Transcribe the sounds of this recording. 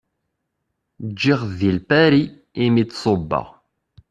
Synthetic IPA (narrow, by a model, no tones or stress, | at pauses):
d͡ʒːiʁðilpæɾiː | mit͡s̪ːsˤobːɑ̰ʁ